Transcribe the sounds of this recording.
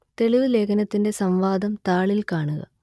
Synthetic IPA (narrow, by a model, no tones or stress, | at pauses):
t̪e̞ɭiʋɨle̞ːkʰɐnɐt̪ːinde̞sɐmʋaːd̪ɐmt̪aːɭilkaːɳuɣɐ̰